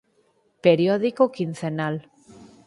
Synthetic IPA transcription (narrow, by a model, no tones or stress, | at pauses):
peɾjoðikokin̟θenal